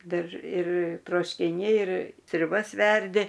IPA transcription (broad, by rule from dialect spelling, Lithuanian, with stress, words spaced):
ˈdɐr ɪr troːʃʲkʲɪˈnʲɛɪ ɪr sʲrʲʊˈbɐs ˈʋʲɛrʲdʲɪ